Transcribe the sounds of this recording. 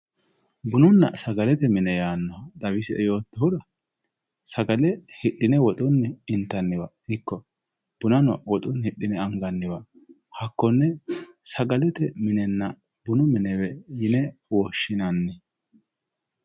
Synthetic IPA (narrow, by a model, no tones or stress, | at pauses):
bʊnʊnːɐ̰sɐɡɐlɛt̪ɛmɪnɛjaːnːɐɐd̪ɐβɪsɛʔɛjo̞ːt̪ːɔhʊd̪ɐ | sɐɡɐlɛhɪɗːɪnɛwɔt̪ʼʊnːɛɪnt̪ːɐnːɪwɐhɪkːɔ | b̥ʊnɐnɐ̰wɔt̪ʼʊnhɪɗːɪnɛɐŋɡɐnːɪwɐ | hɐkːɔnːɛsɐɡɐlɛt̪ɛmɪnɛnːɐ | bʊnʊmɪnɛwɛjɪnɛwɔʃːɪnɐnːɛ